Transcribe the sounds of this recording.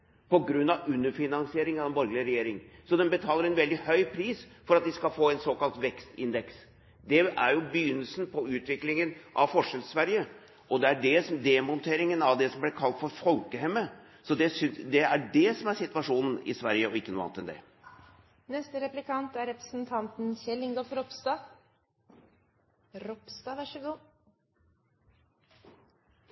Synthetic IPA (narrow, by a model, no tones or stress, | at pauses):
pʰɔɡɾʉnːɑʋʉnːəɾfɪnɑnsɪeːɾɪŋɑʋd̪ɛnbɔɾɡlɪəɾɛjeːɾɪŋsɔd̪ɛnbət̪ʰɑːləɾɛnʋɛld̪ɪhœʏpʰɾiːsfɔɾɑt̪̚ʋ̪ɪskɑlfoːɛɪnsoːkɑlt̪ʋɛkst̪ɪ̰nd̪ɛks | d̪ɛæɾjʊbəjʏnːəlsnpʰɔʉːt̪ʋɪklɪŋənʔɑ̰ʋfɔʂɛlsʋæɾjə | ʔɔd̪ɛæɖɛsd̪ɛmɔnt̪ʰeːɾɪŋənɑʋd̪ɛsɔmblɪɾkʰɑlt̪fɔɾfɔlkəɦɛmːə | sɔd̪ɛsʏnd̪ɛæɖɛsɔmæɾsɪt̪ʋɑʂuːnn̩ɪ̰sʋæɾjəɔɪkːənuːɑ̰nət̪ɛnd̪ɛ̰ | nɛst̪əɾɛplɪkʰɑnt̪æɾɾɛpɾə̥snt̪ʰɑnt̪n̩çɛlːɪŋɡɔfɾɔpst̪ɑ | ɾɔpst̪ɑʋæʂəɡuː